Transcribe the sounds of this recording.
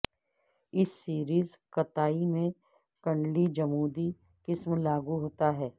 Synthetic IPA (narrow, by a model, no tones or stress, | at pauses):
ɪsːiːɾiːzkɐt̪aːimẽ | kɐ̃ɳɖlid͡ʒɐmuːd̪i | kɪsmlaːɡuɦoːt̪aɦɛː